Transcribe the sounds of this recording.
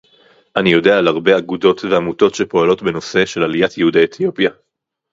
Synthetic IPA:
ʔanijo̞de̞aːlaʁbe̞aɡudo̞tveamuto̞tʃe̞po̞alo̞tbe̞no̞se̞ʃe̞lalijatjeudeːt̪ʰijo̞pja

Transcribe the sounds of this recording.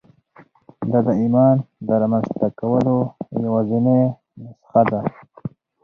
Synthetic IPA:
d̪ad̪əimɑːnd̪əɾɑmanzt̪akawəlojawazine | nasxad̪a

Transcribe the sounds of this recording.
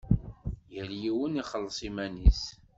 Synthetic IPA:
jəɾjiwəniχəlːsˤimænis

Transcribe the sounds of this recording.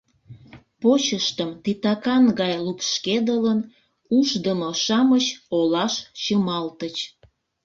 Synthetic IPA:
pot͡ɕəʃt̪əmt̪it̪ɑkɑnɡɑjlukʃked̪ələn | uʃd̪əmoʃɑmət͡ɕolɑʃt͡ɕəmɑlt̪ət͡ɕ

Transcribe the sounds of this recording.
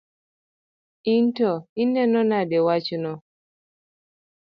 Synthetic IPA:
intɔinɛnɔnadɛwat͡ʃnɔ

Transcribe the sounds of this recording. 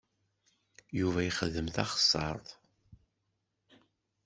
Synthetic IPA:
juvæjχəðːəmθɑχə̥sˤːɑ̰ɾˤðˤ

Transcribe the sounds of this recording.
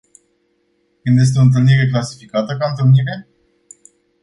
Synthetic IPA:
kɨnd̪jes̬t̪eo̞ɨnt̪̬ɨlniɾe̞klasi̥fikat̪əkant̪ɨlniɾe̞

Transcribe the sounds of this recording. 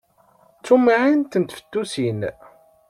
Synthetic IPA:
t͡sːumiʕint̪ənt̪fə̥t̪ːusin

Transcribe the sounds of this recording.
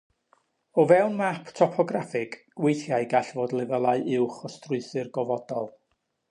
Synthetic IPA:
ɔvɛwnmapʰtʰɔpʰɔɡrafɪɡɡ̥wejθjaɨɡaɬvoːdlˠɪvəlˠaɨʔɪwχɔstrʊɨθɨrɡɔvɔdɔlˠ

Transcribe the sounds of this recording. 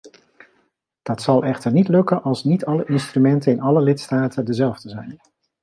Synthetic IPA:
d̥ɑtsɑlˠʔɛχtəɹnitlɵkənʔɑlˠsnitʰɑləʔɪnstrymɛntənɪnɑləlɪtstaːtəndəzɛlˠvdəzɛjn

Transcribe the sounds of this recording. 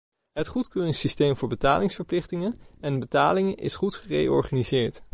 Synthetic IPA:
ɦətχutkøːrɪŋsistejmvʊːɹbətaːlɪŋsfəɹplɪχtɪŋənɛnbətaːlɪŋʔɪ̰sχutχərḛjɔ̰ɹχanizɪːɹt

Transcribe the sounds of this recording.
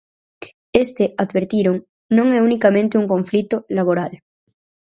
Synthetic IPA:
est̪eaðβeɾt̪iɾoŋ | nõŋɛunikamẽnt̪euŋko̞ɱflit̪olaβ̞oɾal

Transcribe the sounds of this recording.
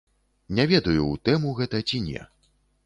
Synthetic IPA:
nʲavʲɛd̪ɐjut̪ɛmuɣɛt̪ɐt͡sʲinʲɛ̰

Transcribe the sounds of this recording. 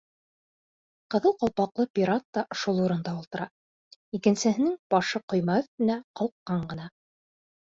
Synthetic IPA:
qɤ̆ðɤlˠqɑlˠpɑqlˠɤpʲiɾat̪ːɑʃulˠuɾɤ̆nd̪ɑulˠt̪ɤ̆ɾɑ | ikɘ̆nsɘ̆ɦɘ̆nɘŋb̥ɑʃɤqŏjmɑɵ̆θt̪ɘ̆næqɑlˠqːɑɴɢɤ̆nɑ

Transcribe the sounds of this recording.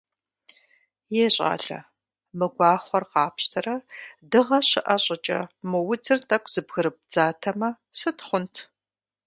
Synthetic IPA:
jeːɕʼa̰ːɬɐ̰ | mɨɡʷɑːχʷɔrqɑːpɕtʰɐrɐdɨʁɐɕɪʔɐɕʼɐt͡ʃʼɐ̰mɨwʊd͡zɨrtʰʼɐkʷʰz̥ɨbɣɨɾɨp̚d͡zaːtʰɐmɐ | sɨtχʷʊntʰ

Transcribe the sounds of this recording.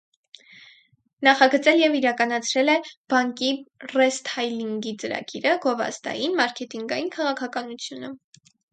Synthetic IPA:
nɑχɑɡət͡sɛljɛviɾɑkɑnɑt͡sʰɾɛlɛb̥ɑŋkirɛst̪hɑjliŋɡit͡səɾɑ̰ɡiɾəɡɔvɑ̰st̪ɑ̰jinmɑɾkʰɛt̪iŋɡɑjinkʰɑʁɑkʰɑkɑnut͡sʰjunə

